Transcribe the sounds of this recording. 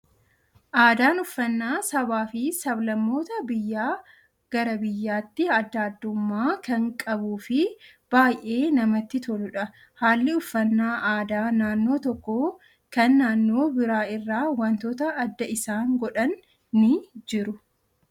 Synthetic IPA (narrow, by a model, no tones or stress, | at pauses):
ʔaːd̪aːnʊfːɐnːaːsɐβaːfɪsɐblɐmːo̞ːt̪ɐbɪjːaː | ɡ̥ɐɾɐbɪjːaːt̪ːɪɐd̪ːɐːd̪ːʊmːaːkɐŋkʼɐbuːfɪ | b̥aːjʔe̞ːnɐmɐt̪ːɪt̪ʰɔlʊᶑɐ | haːlːɪʊfːɐnːaːʔaːd̪aːnaːnːo̞ːt̪ɔkːo | kɐnːaːnːo̞ːbɪɾaːɪrːaːwɐnt̪oːt̪ɐːd̪ːɐʔɪsaːŋɡɔᶑɐnː | ɪd͡ʒɪɾʊ